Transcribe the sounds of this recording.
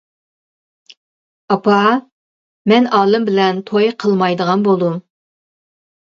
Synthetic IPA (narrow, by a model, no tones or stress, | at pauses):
ɑpʰɑ | mɛnɑːlˠɨmbɪlɛnt̪ʰojqʰəlˠmɑjd̪əʁɑnbolˠd̪um